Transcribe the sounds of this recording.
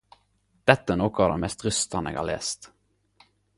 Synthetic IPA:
d̪̥ɛt̪ːəənoːkɔɑd̪ɛ̰nmɛst̪ɾʏst̪ɑnḛːɡhɑ̰lḛːst̪

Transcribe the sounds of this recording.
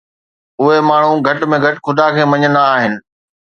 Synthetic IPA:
ʊɦemaːɳ̤ũɡʱɐʈmẽɡʱɐʈxʰʊd̪akʰeːmɐ̃ɲənd̪aːɦɪnɪ̆

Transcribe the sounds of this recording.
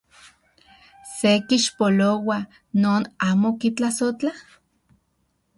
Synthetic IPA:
sekiʃpolowa | noːnaːmokit͡ɬasot͡ɬa

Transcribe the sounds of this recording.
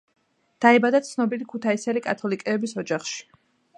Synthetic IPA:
d̪̥aɛbad̪at̪sʰnɔbilikʰut̪ʰaisɛlikʼat̪ʰɔlikʼɛːbisɔd͡ʒaχʃi̥

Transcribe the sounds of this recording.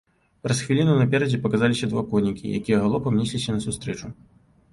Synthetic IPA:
pɾɐsxvʲilʲinunɐpʲɛɾɐd͡zʲɛpɐkazalʲisʲɐd̪vakɔnʲikʲḭja̰kʲijɛɣalˠɔpɐmnʲisʲlʲisʲɐnɐsust̪ɾɛt͡ʂu

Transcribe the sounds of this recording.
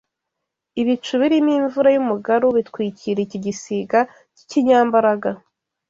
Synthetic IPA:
iβit͡ʃuβiɾimiːɱvuɾajumuɡaɾuβitkwiːciɾeiciɟisiɡa | ciciɲaːmbaɾaɡa

